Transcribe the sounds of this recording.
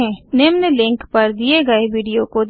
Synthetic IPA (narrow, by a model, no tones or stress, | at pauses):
ɛ̃neːmnelɪ̃ŋkpɐɾd̪ieɡɐeʋiːɖijokod̪